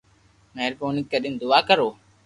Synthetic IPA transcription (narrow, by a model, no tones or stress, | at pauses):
meːɾpoːnɪkːəɗɪːnd̪ʊaːkəɾoː